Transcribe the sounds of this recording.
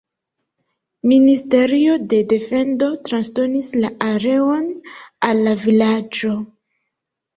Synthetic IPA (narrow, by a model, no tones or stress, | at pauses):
ministe̞ɾio̞de̞de̞fe̞ndo̞tɾansdo̞nislaʔaɾe̞o̞nalːavilad͡ʒo̞